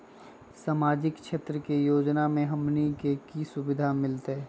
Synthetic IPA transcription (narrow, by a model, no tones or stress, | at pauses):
saːmaːd͡ʒɪkʃʰeːt̪ɾəkejoːd͡ʒnamẽɦɐmnikekisʊbɪd̪ʱamɪlt̪eɛ